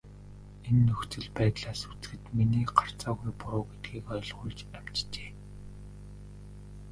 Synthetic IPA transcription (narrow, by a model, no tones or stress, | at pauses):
enːɵxt͡sɘ̆ɮpæːt̪ɮaːsu̥t͡sɡɘ̆t̪miniːɢar̥t͡saːɣujpʊɾʊːɡet̪̚ɡiːkɔj̆ɮʁʊːɮt͡ɕæm̥t͡ɕt͡ɕe̥ː